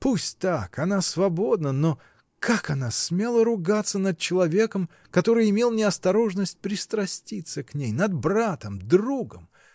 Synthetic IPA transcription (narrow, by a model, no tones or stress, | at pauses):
pusʲtʲt̪akɐnasvɐbo̞d̪nəno | kakɐnasmʲe̞lˠəɾʊɡat̪sːənəd̪̚t͡ɕɪlˠɐvʲe̞kəm | kɐt̪o̞ɾɨjɪmʲelˠnʲɪɐst̪ɐɾo̞ʐnəsʲt̚ʲpɾʲɪst̪ɾɐsʲtʲit̪sːəknʲejnɐd̪brat̪əmd̪ruɡəm